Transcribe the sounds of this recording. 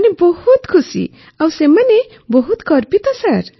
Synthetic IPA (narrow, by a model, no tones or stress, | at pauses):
nebʌhut̪kʰusḭ | awsemʌne | bʌɦut̪kʌɾpit̪ʌsaɾ